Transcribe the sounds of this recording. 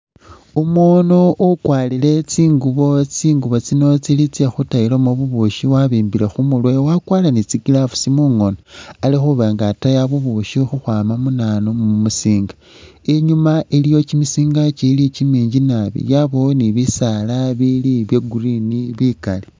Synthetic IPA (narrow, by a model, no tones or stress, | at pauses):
umwonoʔokwaːlile̞t͡siːŋɡuβo̞t͡siːŋɡuβo̞t͡sino̞t͡silit͡sexutajilomoβuβuʃiwaβiːmbile̞xumulwewakwaːlanit͡siɡilafu̥simuːŋo̞noalixuβaŋɡatajaβuβuʃixuxwaːmamunaːnomumumusiːŋɡa | eɲumaʔelijo̞t͡ʃimisiːŋɡat͡ʃilit͡ʃimiːɲɟinaβḭjaβoniβisalaβiliβjeɡuɾiniβikali